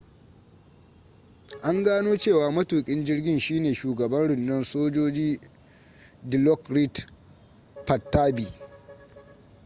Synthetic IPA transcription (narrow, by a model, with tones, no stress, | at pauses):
ʔa˦ŋɡaː˦noː˦t͡ʃeː˦˨waː˨mɐ˦tuː˨kʲʼɪ˦nd͡ʒɪ˦rɡʲɪ˦˨nʃiː˦neː˨ʃuː˨ɡɐ˨bɐ˦nɽʊ˨nːɐ˦nsoː˦d͡ʒoː˦d͡ʒiː˦ | dɪ˨lɔ˦kɾi˦t | pɐ˨tːaː˦biː˨